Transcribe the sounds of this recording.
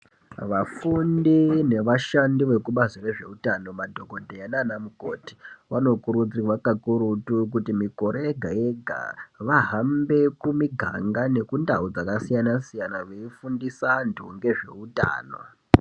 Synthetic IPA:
ʋafundine̞ʋaʃandiʋe̞kuɓazire̞ʐe̞̰utano̞madʱo̞ko̞dʱejananamuko̰ti̥ʋano̞kuɾut͡siwakakuɾutuk̬utimiko̞ɾeeɡʱaeɡʱa̰ʋaɦambe̞kumiɡʱa̰ŋɡane̞kundaud͡zakasijanasijanaʋe̞ifundisantʰṵŋɡe̞ʐe̞̰uta̰ːno̰

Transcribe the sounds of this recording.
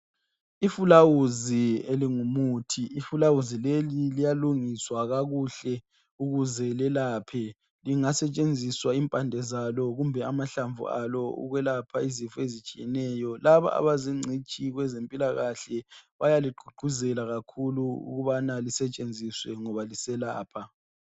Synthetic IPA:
ifulawuzieliŋumutʰiːfulawuzilelilijaluŋiswaɣaɣuɬɛ | uɣuzɛlɛlaːpʰɛ | liŋasɛt͡ʃʼend͡zʱiswaimpʼandʱɛzalɔɣumbʱɛamaɬaɱvṵa̰lɔṵɣwɛlapʰaizifɔezit͡ʃʼijɛnɛjɔlaβa̰ʔa̰βaziŋ͡ǀʱit͡ʃʼiɣwɛzempʼilaɣaɬɛβajaliɡ͡ǃʱuɡ͡ǃʱuzɛlaɣakʰuluṵɣuβanalisɛt͡ʃʼend͡zʱiswɛŋɔβalisɛla̰ːpʰa

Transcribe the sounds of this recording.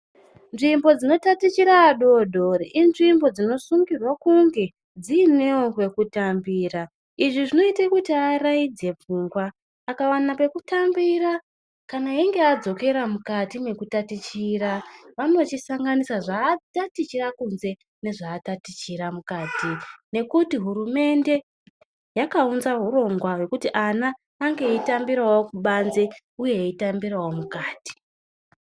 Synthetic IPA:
nʐimbo̞d͡zino̞tatit͡ʃiɾaːɗo̞dʱoriʔinʐimbo̞d͡zino̞suŋɡirwakuŋɡe̞ | d͡ziːneokwe̞kutambiːra | iʐiʐino̞itakutiaraid͡ze̞p͡fuːŋɡwaː | kawanape̞kutambira | kanaiŋɡe̞ad͡zo̞ke̞ɾamukatime̞kutatit͡ʃiɾaʋano̞t͡ʃisaŋɡanisaʐaːtatit͡ʃirakunze̞ | ne̞ʐaːtatit͡ʃiɾamukaːtine̞kutiɦuɾume̞nde̞ | jakaunzaɦuɾo̞ŋɡwawe̞kutiʔanaː | ŋɡe̞itambiɾawo̞kuɓanze̞ | uje̞ːitambirawo̞mukaːti̥

